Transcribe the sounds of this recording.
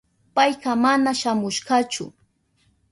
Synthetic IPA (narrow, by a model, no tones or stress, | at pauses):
pajɢɑmanaʃamʊʃɢɑt͡ʃʊ̰